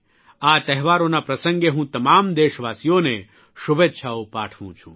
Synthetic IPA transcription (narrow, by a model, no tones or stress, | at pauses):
at̪ɛɦʋaɾonapɾəsə̃ŋɡeɦũt̪əmamd̪eʃʋaːsijone | ʃʊbʱetːʃʰaopaːʈʰʋṵ̃t͡ʃʰṵ̃